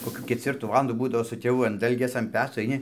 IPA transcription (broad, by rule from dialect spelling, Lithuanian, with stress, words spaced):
koːˈkʲuː kʲɛt͡sʲˈʋʲɪrtuː ˈʋɑːlˠɐnduː ˈbuːdɐʋoː sʊ tʲeːˈʋʊ ɐn ˈdɐlʲɡʲeːs ɐn ˈpʲæːt͡soː ɐɪˈnʲɪ